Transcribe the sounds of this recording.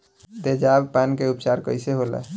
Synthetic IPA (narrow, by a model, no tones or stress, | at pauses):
d̪ed͡ʒabpankeupt͡ʃaɾkəɪseɦolɛ̰